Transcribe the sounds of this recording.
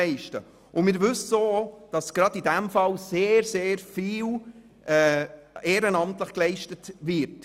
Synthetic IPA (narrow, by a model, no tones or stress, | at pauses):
ɛɪʃtə | ʔʊmɪːɾʋʉssoːd̥ɑsɡ̥ɾɑdidɛmfɑlseːɾseːɾfiːl | ʔɛːeːɾənɑmtləχklɛɪʃtətʋɪɾt